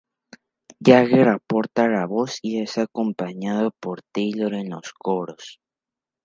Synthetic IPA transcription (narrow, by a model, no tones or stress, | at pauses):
jaɣeɾapoɾt̪alaβosiesakompaɲaðopoɾt̪iloɾenloskoɾos